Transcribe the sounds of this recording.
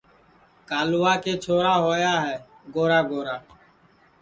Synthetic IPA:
kaːlʊʋaːkeːt͡ʃʰoːɾaːɦoːjaːɦɛː | ɡoːɾaːɡoːɾaː

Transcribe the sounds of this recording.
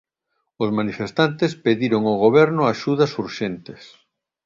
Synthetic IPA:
ʊzmanifest̪ant̪espeðiɾoŋoɣoβɛɾnʊaʃuðɐsuɾʃent̪ɪs

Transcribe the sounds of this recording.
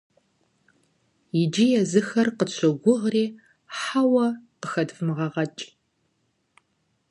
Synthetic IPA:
jɪd͡ʒijɛzɨxɐrqəɕʷʰɐɡʷʊʁriː | ħawɐqəxɐdfmɨʁɐʁɐt͡ʃʼ

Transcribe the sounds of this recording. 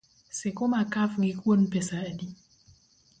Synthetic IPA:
sɪkʊmakafŋɪkwonpɛsaːdi

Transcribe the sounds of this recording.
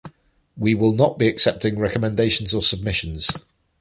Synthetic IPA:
wiwɪlˠnəʔb̥iəksɛp̚tɪ̃ŋɹɛkəmɛ̃ndeɪʃə̃nzəsəb̚mɪʃə̃nz̥

